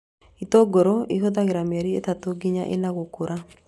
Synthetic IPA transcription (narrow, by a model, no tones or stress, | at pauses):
it̪oɡoɾoiɦod̪aɣɪɾamɛɾiet̪at̪oɡiɲa̰ʔḛnaɣokuɾa